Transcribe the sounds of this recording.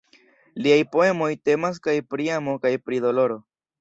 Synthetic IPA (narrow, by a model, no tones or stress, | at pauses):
liajpo̞e̞mo̞jte̞mas̬kajpɾiamo̞kajpɾido̞lo̞ɾo̞